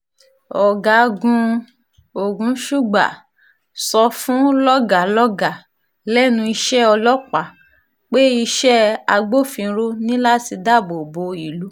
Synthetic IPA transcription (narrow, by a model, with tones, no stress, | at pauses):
ɔ˨ɡa˨˦˧ɡũ˧ | o˨ɡũ˨˦ʃu˦ɡ͡ba̰˨ | sɔ˧fũ˦lɔ˦ɡa˨lɔ˦ɡa˨ | lɛ˦nũ˧i˧ʃɛ˦ɔ˧lɔ˦k͡pa˨ | k͡pe˦i˧ʃɛ˦a˧ɡ͡bo˦˨fĩ˧˦ɾo˦nĩ˦la˦ti˧da˦˨bo˨bo˧i˨lu˨˦